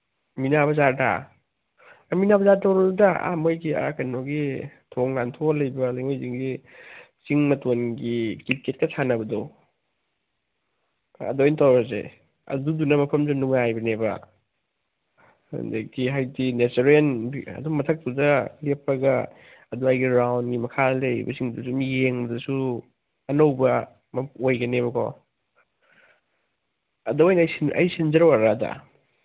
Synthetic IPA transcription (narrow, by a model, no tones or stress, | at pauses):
minabɐzada̰ | minabɐzatawɾɐdudaʔa̰mojɡia̰kajnoɡitʰoŋnantʰolɐjbɐlajŋojziŋɡi | siŋmɐtonɡikilket̚kɐsʰanɐbɐdo | ɐ̰dojntawɾɐzḛ | ɐ̰dudunɐmɐpʰɐmzɐnuŋajbɐnebɐ̰ | ndekiɦajdineteɾenbiɐ̰duŋmɐtʰɐk̚tudɐlepɾɐɡɐ | ɐduajɡiɾawnɡimɐkʰalejbɐ̰siŋmɐdusumijeŋmɐdusu | ɐnowbɐ | mɐojɡɐneβɐkʰɔ̰ | ɐdɐwajnjsiɐ̰jsind͡ʒɐɾɐwaɾada̰